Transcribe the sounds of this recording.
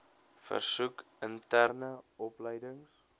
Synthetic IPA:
fə̰rsuk | əntærnəɔpləjdəŋs

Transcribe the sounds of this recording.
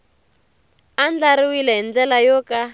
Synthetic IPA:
and͡ɮaɾiwilɛɦind͡ɮɛlajɔka

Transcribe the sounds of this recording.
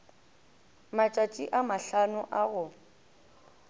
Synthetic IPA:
mat͡ʃʼat͡ʃʼiʔamaɬanʊʔaɣʊ

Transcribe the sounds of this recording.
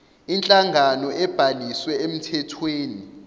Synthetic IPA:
int͡ɬʼaŋɡʱanɔʔɛb̥ʱaliswɛem̩tʰɛtʰweːni

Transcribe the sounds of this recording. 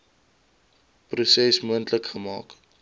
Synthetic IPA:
prusɛsmuəntləkχəmɑ̰ːk

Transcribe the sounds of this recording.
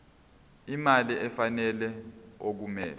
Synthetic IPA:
imaliʔɛfanɛlɛok̬umɛ̰ː

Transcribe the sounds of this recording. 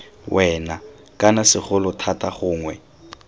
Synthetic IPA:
wʔɛna | kʼanasɪχʊlʊtʰatʼaχʊːŋwɛ

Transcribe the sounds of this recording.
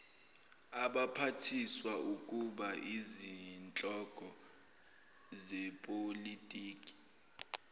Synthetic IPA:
aɓapʰatʰiswaukʼuɓaʔizint͡ɬʼɔɡ̥ʱɔ | zɛpʼolitʼiːkʼi̥

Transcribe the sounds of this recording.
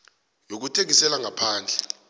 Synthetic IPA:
jok̬utʰek̬isɛlaŋapʰaːnd͡ɮʱɛ

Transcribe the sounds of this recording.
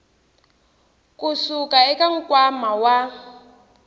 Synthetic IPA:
kʼusukʼaɛkaŋ̩kʼwamawa

